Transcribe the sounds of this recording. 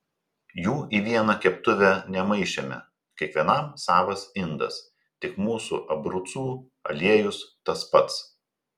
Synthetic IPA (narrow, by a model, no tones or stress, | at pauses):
juːiːʋʲiɛnɐkʲɛpt̪ʊʋʲɛnʲɛmɐɪʃʲt͡ʃʲɛmʲɛ̰ | kʲɛkʋʲiɛnɐˑmsɑːʋɐsɪnd̪ɐ̰s | t̪ʲɪkmuːsṵʔɐbɾʊt̪suː | ɐ̰lʲiɛjʊst̪ɐspɐt̪s